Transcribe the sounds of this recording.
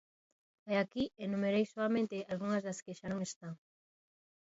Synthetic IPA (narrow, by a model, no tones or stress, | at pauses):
aakienumeɾejsoamẽnt̪ealɣuŋɐzðaskeʃanoŋest̪aŋ